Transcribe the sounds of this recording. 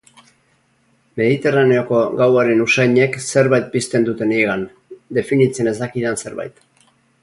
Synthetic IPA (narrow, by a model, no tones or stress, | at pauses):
me̞ðit̪e̞rane̞o̞ko̞ɣawaɾe̞nusajɲe̞kse̞ɾβajt̪̚pist̪e̞nd̪ut̪e̞nieɣan | d̪e̞finit͡se̞ne̞zd̪akiðense̞ɾβa̰jt̪